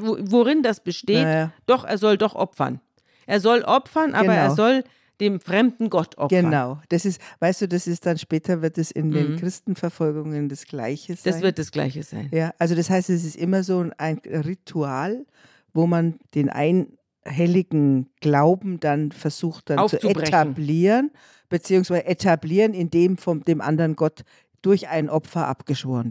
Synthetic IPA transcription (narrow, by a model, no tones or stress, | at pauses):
vvoʁɪndasb̥əʃteːad̥ɔχʔḛːɐzɔldɔχʔɔ̰pfɐ̰n | ʔeːɐzɔlʔɔpfɐnʔa̰ːbɐnaeɐʊzɔl | d̥eːmfʁ̥ɛmdn̩ɡɔtʰʔɔ̰ɡənaʊd̥asɪstvaɪstd̥uːdasɪstd̥anʃpɛːtʰɐvɪɐt̚d̥asɪ̰ndeːnkʁ̥ɪstn̩fɛɐfɔlɡʊŋəndasɡ̥la̰ɪçəz̥adassɪv̥ɪɐt̚d̥asɡ̥la̰ɪçəz̥a̰ɪnjaːʔalzodashaɪstɛs̬ɪstʔɪmɐzoːaɪnʁitʰuaːl | voːmand̥eːnʔa̰ɪn | ɦɛlɪɡŋ̩ɡ̥laʊbm̩d̥anfɛɐzuːxt̚d̥ant͡sut͡sebʁɛtanbliːʁən | b̥ət͡siːʊŋsv̥aɪzəʔetʰabliːʁənɪndeːmfɔmd̥eːmʔa̰ndɐʁənɡɔt | d̥ʊɐçʔaɪnʔɔpfɐʔa̰pɡ̥əʃv̥oːʁən